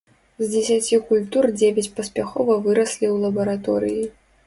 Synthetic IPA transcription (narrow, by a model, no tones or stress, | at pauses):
zʲd͡zʲɛsʲat͡sʲikulʲt̪urd͡zʲevʲat͡sʲpɐsʲpʲaxɔvɐvɨɾɐsʲlʲiwlˠɐbɐɾat̪ɔɾɨji